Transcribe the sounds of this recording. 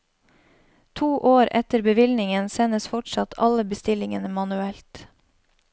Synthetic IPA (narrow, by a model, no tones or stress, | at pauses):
t̪ʰuːʔoːɾɛt̪əɾbəʋɪlnɪŋənsɛnəsfɔʈsɑt̪ʰɑləbəst̪ɪlɪŋənəmɑnʉɛlt̪